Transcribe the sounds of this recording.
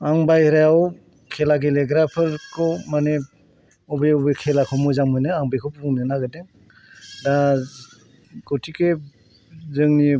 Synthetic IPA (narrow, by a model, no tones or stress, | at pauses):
aŋbajhɾajaw | kʰelaɡeleɡɾapʰɯɾkʰɔwmane | ɔbɔjɔbɯjkʰelakʰɔmɔzamɯjnɯaŋbajkʰɔwpʰɯpʰɔŋnɯnaɡɯdeŋ | da | ɡɔtʰike | zɯŋni